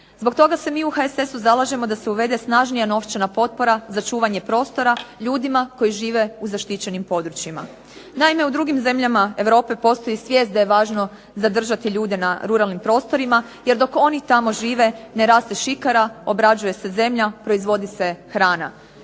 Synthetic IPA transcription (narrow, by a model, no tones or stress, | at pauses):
z̥bo̞ɡt̪o̞ɡase̞miːuxaese̞suzalaʒe̞mo̞d̪ase̞uʋe̞d̪e̞snaːʒnijano̞ft͡ʃenapo̞t̪̚po̞ɾazat͡ʃuːʋaɲe̞pɾo̞ːst̪o̞ɾaʎuːd̪imako̞jiʒiːʋe̞uzaʃt̪it͡ɕe̞nimpo̞d̪ɾut͡ɕima̰ | naime̞ud̪ɾuɡimze̞mʎamae̞ʋɾo̞ːpe̞po̞st̪o̞jisʋje̞ːst̪d̪ajeʋaːʒno̞ | zad̪r̩ʒat̪iʎuːd̪enaɾuɾalnimpɾo̞ːst̪o̞ɾima | je̞ɾd̪o̞ko̞nit̪amo̞ʒiːʋe̞ne̞ɾaːst̪e̞ʃikaɾao̞bɾad͡ʒuje̞se̞ze̞mʎapɾo̞izʋo̞d̪ise̞xɾaːna̰